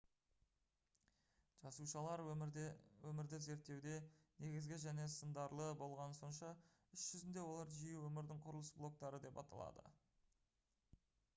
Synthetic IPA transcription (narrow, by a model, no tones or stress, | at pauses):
ʒ̥ɑsuʃɑlˠɑɾ | wɵmɪɾd̪ɪze̞ɾt̪ːe̞wd̪e̞ne̞ɡʲɪzɡʲɪʒæne̞sənd̪ɑɾlˠəbo̞lˠʁɑnəso̞nʃɑ | ʏʃʒ̥ʏzɪnd̪e̞wo̞lˠɑɾʒijewɵmɪɾd̪ɪŋqʰʊɾəlˠəsblˠo̞k̚t̪ɑɾəd̪e̞pɑ̰t̪ɑ̰lˠɑ̰d̪ə̰